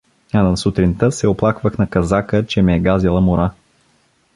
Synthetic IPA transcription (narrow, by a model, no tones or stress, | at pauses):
anɐsʊt̪ɾint̪əsɛoplˠakvəxnɐkɐzakət͡ʃɛmɛɛɡazilˠəmʊɾa